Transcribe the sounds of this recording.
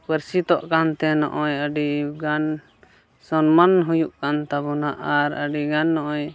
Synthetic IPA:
pəɾsit̪ɔʔkant̪ɛnɔ̰ʔɔjəɖiɡan | sɔnmanɦujuʔkant̪abɔnaʔaɾə̰ɖiɡanːɔʔɔj

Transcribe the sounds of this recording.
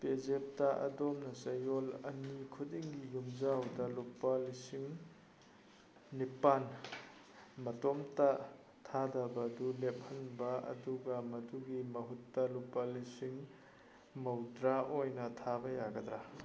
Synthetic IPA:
pezep̚taʔɐ̰domnɐsɐjolɐ̰nikʰudiŋɡijumzawdɐlupalisiŋ | nipan | mɐtomtɐ | tʰadɐbɐdulep̚hɐnbɐɐ̰duɡɐmɐduɡimɐɦutːɐlupːalisiŋ | mɐwdɾaʔojnɐtʰabɐjaɡɐdɾa

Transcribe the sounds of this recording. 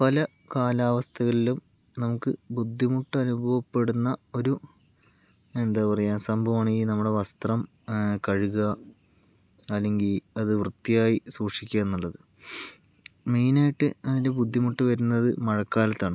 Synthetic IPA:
pɐlɐ | kaːlaːʋɐst̪ʰɐɣɐɭilum | nɐmukːɨbud̪ʱːimuʈːɐnubʱɐʋɐpːe̞ɽunːɐo̞ɾu | e̞nd̪aːpɐrɐjaːnsɐmbʱɐʋaːɳinɐmːuɽe̞ʋɐst̪rɐm | kɐɻuɣɐ | ɐlːe̞ŋɡilɐðɨʋrɨt̪ːijaːjisuːʂikʲːɐenːuɭːɐðɨ | miːnaːjiʈːɨɐðinde̞bud̪ʱːimuʈːɨʋɐɾunːɐðɨmɐɻɐkːaːlɐt̪ːaːɳɨ

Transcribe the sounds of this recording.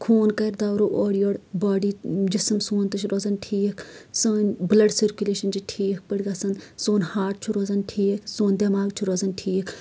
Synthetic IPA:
kʰoːnkɐɾd̪aːɾoːʔoːɽijoːɽbaːɖid͡ʒismsoːnt̪ɨt͡ʃʰɾozɐnʈʰiːkʰsoːnʲblɐɖsiɾkʲuleːʃɐnd͡ʒiʈʰiːk̚ʰpəɽiɡɐsɐnsoːnhaːʈ̚t͡ʃʰuɾoːzɐnʈʰiːkʰsoːnd̪ɐmaːɡt͡ʃʰuɾoːzɐnʈʰiːkʰ

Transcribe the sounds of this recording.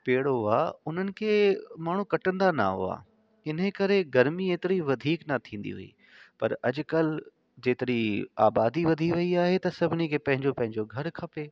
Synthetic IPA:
peːɽoa̰ʊn̤ənɪ̆kʰeːmaːɳ̤ukɐʈə̃nd̪ana̰ɦʊ̰a̰ː | ɪn̤əkɐɾeɡɐɾmieːt̪ɪɾiʋɐd̪ʱiːknɐt̪ʰĩːn̆d̪ḭɦṵḭː | pɐ̰ɾɐd͡ʑkɐl | d͡ʑeːt̪ɪɾia̰ːbaːd̪iʋɐd̪ʱiʋɐiaːɦet̪ɐsɐbʱɪnikʰeːpɐ̃ɦɪ̃ɲd͡ʑopɐ̃ɦɪ̃ɲd͡ʑoɡʱɐɾkʰɐpeː

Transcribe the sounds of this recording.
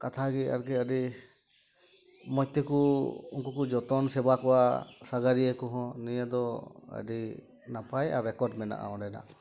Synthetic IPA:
kat̪ʰaɡia̰ɾkɛəɖi | mɔc̚t̪ɛkuṵŋkukud͡ʒɔt̪ɔnsɛbakɔwasaɡaɾijəkɔɦɔ̃nijad̪ɔə̰ɖi | napaja̰ɾɛkɔɾɖmɛna̰ʔa̰ɔ̃ɖɛna̰ʔ

